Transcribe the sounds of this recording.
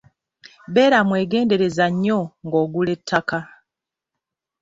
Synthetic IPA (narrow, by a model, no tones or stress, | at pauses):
βe̞ːɾamwe̞ːɡe̞ːnde̞ɾe̞zaɲːoŋɡoːɡule̞tʰːaka